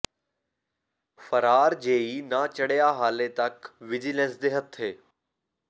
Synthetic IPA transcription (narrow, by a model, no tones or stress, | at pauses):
fəɾaːɾd͡ʒeːiːnaːt͡ʃəɽjaːɦaːlet̪ɐkʋɪd͡ʒilẽnsd̪eːɦət̪ʰɦeː